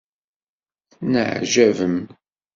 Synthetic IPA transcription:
θnəʕʒævəm

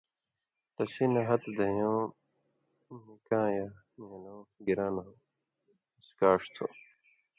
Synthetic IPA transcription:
t̪ɐɕinɐɦɐt̪d̪ɐjõː | nikãːja | minoːɡiɾãːnɐ | iskaːʂt̪ʰo̰

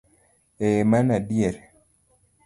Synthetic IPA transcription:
emanadieɾ

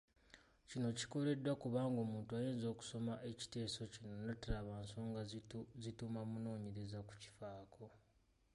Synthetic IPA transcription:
cino̞ci̥ko̞le̞dːwakuβaːŋɡo̞ːmuːntuaje̞ːnzo̞ːku̥so̞maʔe̞ci̥te̞ːso̞cino̞natalaβanso̞ːŋɡazitumamuno̞ːɲe̞ɾezaku̥ci̥faːkʰo̞

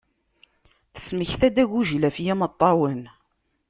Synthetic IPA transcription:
θə̥sməçθæd̪æʝuʒlæfjæmət̪ˤːɑwən

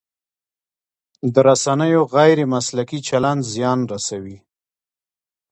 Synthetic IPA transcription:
d̪əɾasanəjoɣajɾemaslakit͡ʃaland͡ʒzjɑnɾasawi

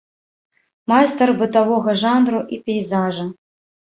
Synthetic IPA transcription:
majst̪ɐrbɨt̪avɔɣɐʐanɾuʔipʲɛjzaʐɐ

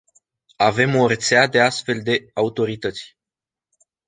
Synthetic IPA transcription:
ave̞mo̞ɾet̪sead̪e̞ast̪fe̞ld̪e̞aut̪o̞ɾit̪ət̪sʲ

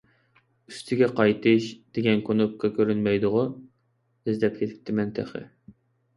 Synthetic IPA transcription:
yst̪ʰɪɡʲɛqʰɑjt̪ʰɨʃd̪̥eɡʲɛnkʰonop̚kʰɑkʲʰøɾynmɛjd̪ʊʁʊ | ɪzlɛp̚kʲʰet̪ʰɪ̥p̚ʲt̪ʰːɪmɛnt̪ʰɛ̰χɨ̰

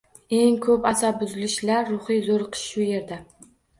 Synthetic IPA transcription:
e̞ŋkʰɵpasabʊzɪlɪʃlaɾːʊχɨjzoɾqʰɨ̥ʃʃʊje̞ɾd̪a

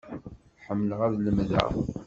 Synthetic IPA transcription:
ħəmːlʁæðləmðæ̰ʁ

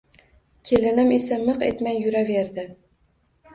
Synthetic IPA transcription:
kʲʰelɪnɪmesamɨqḛt̪majːʊɾaveɾd̪ɪ

